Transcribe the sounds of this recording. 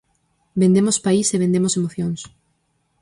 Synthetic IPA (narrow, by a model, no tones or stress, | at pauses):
bend̪emospaiseβẽnd̪emosemoθjoŋs